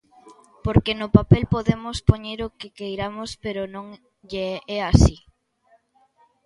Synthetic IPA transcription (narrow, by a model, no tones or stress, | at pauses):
poɾkenʊpapelpoðemospoɲeɾokɪkejɾamospeɾonõŋ | ʎeɛasi